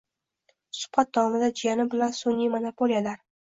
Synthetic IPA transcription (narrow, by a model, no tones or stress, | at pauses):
sʊ̥pat̪̚d̪ɒmɪd̪ad͡ʒijanɪbɪlansʊnʲːimonopʰolijalaɾ